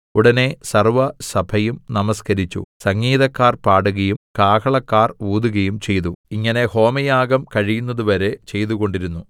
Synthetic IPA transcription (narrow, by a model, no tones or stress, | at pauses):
uɽɐne̞sɐrʋɐsɐbʰʱɐjumnɐmɐskɐɾit͡ɕːṵsɐŋːiːðɐkːaːrpaːɽuɣɐjumkaːkʰɐɭɐkːaːruːd̪uɣɐjumt͡ɕe̞jt̪̬uiŋːɐne̞ho̞ːmɐjaːɡɐmkɐɻijunːɐðuʋɐɾe̞t͡ɕe̞jt̪uɣo̞ɳɖiɾunːu